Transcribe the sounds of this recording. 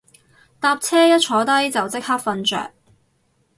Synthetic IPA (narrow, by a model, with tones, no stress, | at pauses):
t̪aː˧p̚t͡sʰɛː˥jɐ˥t̚t͡ʃʰɔː˨˥t̪ɐ˥jt͡sɐ˨wt͡sɪ˥k̚haː˥k̚fɐ˧nt͡ʃœ̰ː˨˩k̚